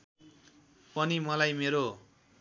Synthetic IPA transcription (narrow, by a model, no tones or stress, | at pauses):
pʌnimʌlajmeɾo